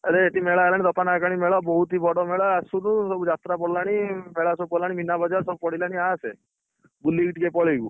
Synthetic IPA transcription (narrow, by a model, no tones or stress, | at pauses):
əɾeːʈimeɭaelãid̪ɔpanakaɽ̃imeɭɔbɔɦut̪ibʱɔɽɔmeɭaasunũsɔbud͡ʒat̪ɾapɔɽlaɽ̃imeɭasɔbupɔlaɽ̃iminabɔd͡ʒaɾsɔbupɔɽilaɽ̃iase | bulːiɡiʈikepɔɭeɡu